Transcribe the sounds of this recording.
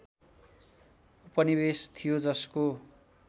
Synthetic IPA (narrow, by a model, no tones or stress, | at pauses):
upʌnibest̪ʰijod͡zʌsko